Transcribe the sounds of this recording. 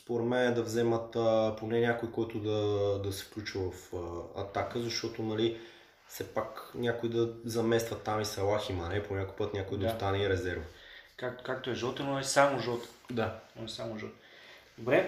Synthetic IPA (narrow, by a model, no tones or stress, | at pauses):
spoɾɛd̪mɛnɛd̪ɐvzɛmət̪əponɛnʲakojkɔjt̪ʊd̪ɐd̪ɐsɛ̥klʲut͡ʃəvɐfɐ̰t̪akəzɐʃt̪ɔt̪onɐli | fsɛpaknʲakoid̪ɐzɐmɛst̪vət̪ːamisɛlˠaximanɛponʲakoipɤt̪nʲakojd̪ɐst̪anɛiɾɛzɛɾvəkakt̪kak̚t̪oɛʒɔt̪ɛnoɛsamoʒɔt̪ɛ̥d̪anoɛsamoʒɔt̪ | d̪obɾɛ